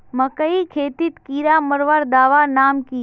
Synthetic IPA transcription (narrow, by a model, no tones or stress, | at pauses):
mɐkəikʰeːt̪it̪kiːɾaːmɐɾʋaːɾd̪aːʋaːnaːmkiː